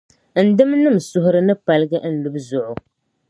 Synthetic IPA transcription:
n̩˨dɨ˦mnɨ˦m̩sʊ˨ɦʊ˦ɾɨ˦nɨ˦pa˨lɨ˦ɡɨ˦ʔn̩˦lu˦bzʊ˨ʔʊ˨

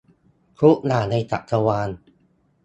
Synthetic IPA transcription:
kʰu˦˥ʔnaː˨˩na˧jt̪a̰˨˩t̪a˧waː˧n

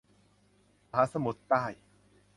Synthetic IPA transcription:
ɦaː˨˦sa˧mu˨˩t̪ːaː˥˩j

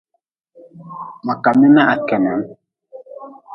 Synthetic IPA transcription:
ma˨ka˨mɛ˦na˦ʔa˨kɛ˨na˨˦n

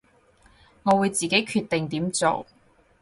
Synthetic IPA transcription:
ŋɔː˨˧wuː˨˧jt͡siː˨ke˨˥jkʰyː˧t̪e˨ŋt̪iː˨˥mt͡so̰˨˩w

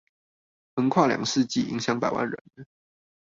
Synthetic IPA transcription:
xə˧˥ŋkʰwa˥˩ljɑ̰˨˩ŋʂɻ̩˥˧t͡ɕi˥˩i˧˥ŋɕjɑ˧˥ŋpa˨˩ɪwʔa̰˥˩nɻə̰˧˦n

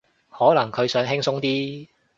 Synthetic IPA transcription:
hɔː˨˥lɐ˨˩ŋkʰɵ˨˧ɥsœː˨˥ŋɦɪ˥ŋsʊ˥ŋt̪iː˥

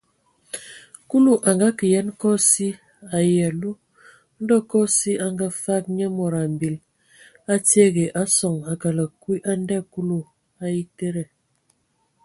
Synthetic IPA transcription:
ku˦lu˦ʔa˨ŋɡa˦kə˨jɛ˦nkɔ˦si˦ | a˨ja˨lu˦ | n̩˦dɔ˦kɔ˦si˦a˨ŋɡa˦fa˦k̚ɲə˦mɔ˨ɾa˨m˨bi˨l | a˦tje˦ɡe˨ʔa˦sɔ˨ŋa˨ka˨lə˨kwi˦ʔa˦n˦dɛ˦˨ku˦lu˨ | a˦ji˦te˦ɾɛ˨

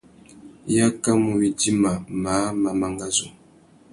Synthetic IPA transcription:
ja˦ka˦mu˨wi˨di˦ma˨ma˨˦ma˨ma˦ŋɡa˦zo˨

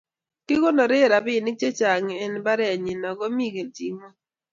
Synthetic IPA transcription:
ti˦ko˦nɔ˨ɾe˦˨ɾa˨bɪ˦˨nɪ˦t͡ʃe˦t͡ʃa˨ŋ˨ɛ˦nba˦ɾɛ˦a˨ɲi˨nɔ˨ɡɔ˦mi˦ɡe˨n˨ti˦mo˦

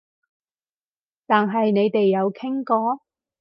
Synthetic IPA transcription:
t̪aː˨nɦɐ˨jne˨˧jt̪e˨jːɐ˨˧wkʰɪ˥ŋkɔː˧˥

